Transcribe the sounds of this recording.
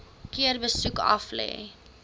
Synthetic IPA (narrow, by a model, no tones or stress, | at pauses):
kiərbəsukɐ̰flɛ̰ː